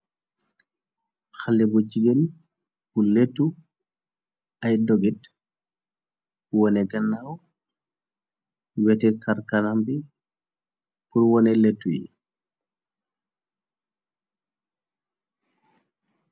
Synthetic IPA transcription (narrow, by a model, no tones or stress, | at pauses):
xalːɛbɔd͡ʒiɡɛl | buletːu | ajdɔɡɛd | wɔnɛɡanːaw | wɛtɛkaɾkanambi | puɾwɔnɛletːujḭ